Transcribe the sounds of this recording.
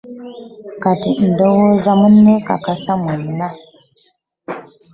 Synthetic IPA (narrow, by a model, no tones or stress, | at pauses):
katin̩dowozamunːeka̰kasamunna